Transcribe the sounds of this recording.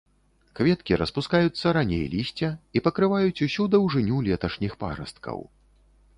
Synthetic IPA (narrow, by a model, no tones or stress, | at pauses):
kvʲɛt̪kʲiɾɐspuskajut̪sːɐɾanʲḛjlʲisʲt͡sʲɐipɐkɾɨvajut͡sʲusʲud̪ɐwʐɨnʲulʲɛt̪ɐʂnʲixpa̰ɾɐ̰st̪kʰɐ̰w